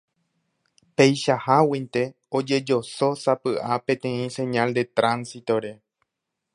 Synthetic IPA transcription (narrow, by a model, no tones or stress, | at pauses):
pe̞jʃahawĩnt̪e̞ | od͡ʒe̞d͡ʒo̞so̞sapɨʔapẽ̞t̪ẽ̞ĩsẽ̞ɲãld̪e̞t̪ɾãnsit̪o̞ɾe̞